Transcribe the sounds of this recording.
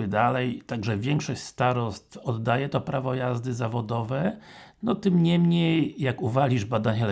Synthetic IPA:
ɘd̪alɛjt̪aɡʐɛvʲjɛŋkʂɔɕʲst̪aɾɔst̪fɔd̪ːajɛt̪ɔpɾavɔjazd̪ɘzavɔd̪ɔvɛ | nɔt̪ɘmɲɛmɲejːakuvalʲiʐbad̪aɲɛl

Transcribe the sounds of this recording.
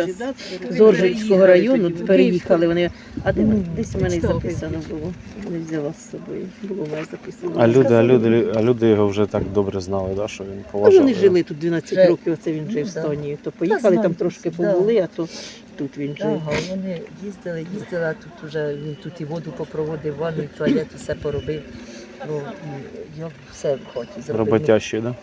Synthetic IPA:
zɔrʒisʲkɔɦɔɾɐjɔnʊpeɾejixɐlˠɪʋɔnɪ | ɐd̪ɛnd̪ɛsʲmɛnɛjzɐpɪsɐnɔbʊlˠɔ | ʋɔnɛwzʲɐlˠɔsːɔbɔjʊbʊlˠɔmɛnɛzɐpɪsɐnɔɐlʲuɪɐlʲud̪ɪɐlʲud̪ɪjɔɦɔwʒɛt̪ɑkd̪ɔbɾɛznɑlˠɪd̪aʃt͡ʃɔʋʲinpɔʋʒʋɔnɪʒɪlˠɪt̪ut̪̚d̪ʲʋʲinat͡sʲːɐtʲɾɔkɪwɔt̪sɛʋʲinʒɛiwst̪ɔnʲijit̪ɔpɔjixɐlˠɪt̪amt̪ɾɔʃkɪpɔbʊlˠɪɐt̪ɔ | t̪ut̪ʋʲinʒɛɦɔnɪjizd̪ɪlˠɪjizd̪ɪlˠɐt̪ut̪ʊʒɛʋʲint̪ut̪iʋɔd̪ʊpɔpɾɔʋɔd̪ɪwʋɔnʊit̪ɔɐjɛt̪ɔsɛpɔɾɔbɪw | nuijakwsɛʋxɔtʲizɾɔbɔaʃid̪ɑ

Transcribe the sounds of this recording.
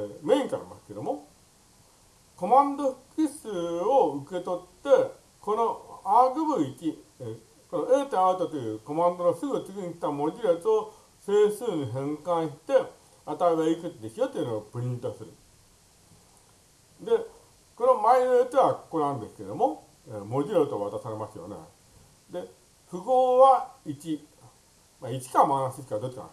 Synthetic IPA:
mẽ̞ĩŋka̰ɾʲima̰sɨ̥ke̞d̪o̞mo̞ | ko̞mãnd̪oɸɯ̥kisɨoɯke̞t̪o̞t̪ːe̞ | ko̞no̞aːɡɯ̟bɯikʲi | konoeːt̪eaɯt̪ot̪ojɯːko̞mãnd̪oɡasɨɡɯ̟t͡sɨɡʲiɲ̟iki̥t̪amod̪ʲiɾet͡sɨo | seːsɨːɲ̟iɦẽ̞ŋkãɰ̃ɕi̥t̪e̞ | at̪aiβeikɯt̪d̪esijot̪oiɯnoopɯ̟ɾʲĩnt̪o̞sɨɾɯ̟̰ | d̪e̞ | ko̞no̞mainojot̪ːeβakokonãnd̪e̞sɨ̥ked̪o̞mo̞ | emod̪ʲiɾat̪oːβat̪asaɾe̞masɨjo̞̰ne̞̰ | d̪e̞ | ɸɯ̟ɡoːβait͡ɕi | mait͡ɕi̥kamanãsɨt͡ɕikad̪ot͡ɕːi̥ka̰n̰

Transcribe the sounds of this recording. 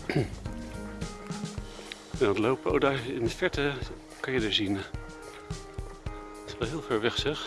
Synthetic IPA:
ɛnndlowpəo̰wdɑəɪndəfɛɹtə | kɑnjədəɹzin | ɪsʋɛlˠɦɪːlˠfɛɹʋɛχsɛχ

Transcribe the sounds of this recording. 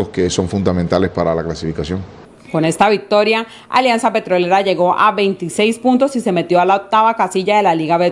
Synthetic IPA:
oskeso̞ɱfund̪amẽnt̪alespaɾalaklasifikasjoŋ | ko̞ne̞st̪aβik̚t̪o̞ɾja | a̰ljansape̞t̪ɾo̞le̞ɾaʝe̞ɣo̞ʔaβe̞jnt̪ise̞jspunt̪o̞sise̞me̞t̪jo̞alaok̚t̪aβakasiʝaðe̞laliɣaβe

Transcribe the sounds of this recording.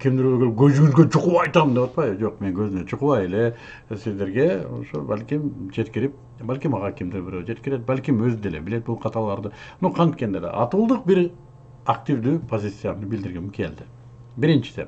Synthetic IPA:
kʲʰimd̪iɾøɾɡølp̚ɡøzyɡynɡøt͡ʃʰuquɑjt̪ɑmnd̪epɑt̪pɑjd͡ʒo̞q̚me̞ŋɡø̞zynøt͡ʃʰuquβɑjele̞ | sizd̪e̞ɾɡe̞o̰ʃo̰ba̰lʲkʲimd͡ʒe̞t̪kiɾip̚ | balʲkʲimɑʁɑkʲʰimd̪iɾbyɾød͡ʒe̞t̪kiɾe̞t̪̚balʲkimøzyd̪elḛbile̞t̪̚bulˠqʰɑt̪ɑlˠɑɾd̪ɯmnuqʰɑnt̪kend̪elḛʔɑt̪ulˠd̪ɯq̚biɾ | ak̚t̪ʲivd̪yːpʰo̞zʲit̪sɨjanbild̪iɾɡemkʰe̞ld̪ɪ | biɾint͡ʃi̥sḛ

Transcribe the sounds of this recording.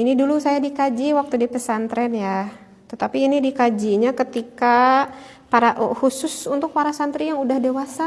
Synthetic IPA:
inidulusajadikad͡ʒiwak̚t̪udipəsant̪ɾɛnja | t̪ət̪apiːnidikad͡ʒiɲakət̪ika | paɾaʔhusʊsunt̪ʊk̚paɾasant̪ɾijaŋudahdewasa

